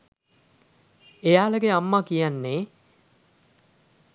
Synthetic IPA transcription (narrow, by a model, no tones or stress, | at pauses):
ejaːləɡeamːakijanːeː